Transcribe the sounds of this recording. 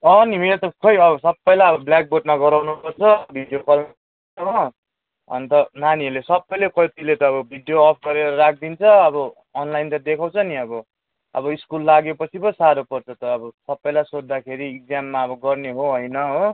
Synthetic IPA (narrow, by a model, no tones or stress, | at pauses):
ʌnimeet̪ʌkʰʌjʌbʌsʌbːʌjlaʌbʌblak̚boʈ̚maɡʌɾawnupʌrt͡sʰʌbʱiɖjokʌlma | ʌɦo | ʌ̰nt̪ʌnaniʌlesʌbːʌjlekʌjt̪ilet̪ʌːbʌbʱiɖjoʌpʰɡʌɾeɾʌɾak̚ʰd̪int͡sʰʌʌbʌː | nlajnt̪ad̪ekʰaw̃t͡sʰʌniʌbʌ | ʌbʌiskulːaɡepʌt͡sʰipʌsaɾopʌrt͡sʰʌt̪ʌːbʌsʌbːʌjlajsod͡zd̪akʰeɾiːk̚d͡zamːaʌbʌɡʌrneɦoɦʌjnʌɦo